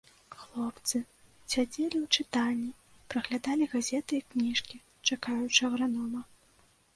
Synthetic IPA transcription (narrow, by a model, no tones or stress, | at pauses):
xlˠɔpt̪sɨ | sʲad͡zʲelʲiwt͡ʂɨt̪anʲːi | pɾɐɣlʲad̪alʲiɣazʲɛt̪ɨiknʲiʂkʲi | t͡ʂakajut͡ʂɐɐɣɾanɔmɐ